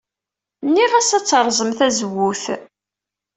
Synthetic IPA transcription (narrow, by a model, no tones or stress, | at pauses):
nːiʁæsæt͡sːɾˤzˤəmθæzəwːuθ